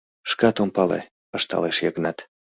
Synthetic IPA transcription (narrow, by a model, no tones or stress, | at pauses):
ʃkɑt̪ompɑlḛ | əʃt̪ɑ̰leʃjɑɡnɑt̪